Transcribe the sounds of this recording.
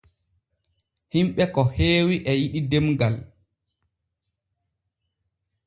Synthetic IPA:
himɓɛkɔheːwiʔɛjiɗidɛmɡal

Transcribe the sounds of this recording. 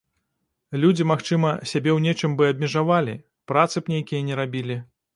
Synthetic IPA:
lʲud͡zʲimaxt͡ʂɨmɐsʲabʲɛwnʲɛt͡ʂɨmbɨɐbʲmʲɛʐavalʲḭ | pɾat̪sɨpnʲejkʲijɐnʲɛɾabʲilʲi

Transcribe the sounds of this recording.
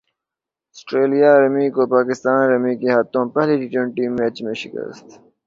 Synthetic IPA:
ɐsʈɾeːlijaɾɐmiːkopaːkɪst̪aːnɾɐmikeɦat̪õpɛɦliɖiʈə̃ɳʈiːmːeːt͡ɕmẽʃɪkə̰st̪

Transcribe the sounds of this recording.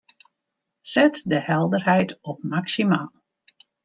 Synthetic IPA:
sɛtdəhɛlˠdərɦɛjtɔp̚maksimaːlˠ

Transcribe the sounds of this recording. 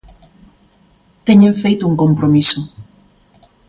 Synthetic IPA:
t̪eɲẽɱfejt̪ʊuŋkõmpɾomisʊ

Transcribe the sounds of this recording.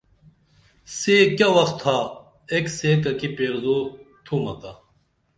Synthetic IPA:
seːkʲaʋɐxt̪ʰːa | ekseːkɐkipeːɾzoːt̪ʰuːmɐt̪aː

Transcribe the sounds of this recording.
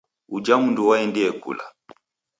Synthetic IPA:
ud͡ʒamunduwaɛndiɛkṵla̰

